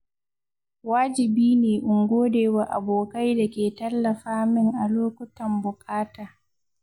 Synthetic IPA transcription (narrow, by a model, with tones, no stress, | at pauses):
waː˦d͡ʒɪ˨biː˦neː˨ʔʊ˨ŋɡʷoː˦deː˨wa˨ʔa˨boː˨ka˦jda˨kʲeː˨tɐ˦lːɐ˨ɸaː˦mɪ˦ŋʔa˨loː˦kʷʊ˦tɐ˨mbʊ˨kʼaː˦taː˨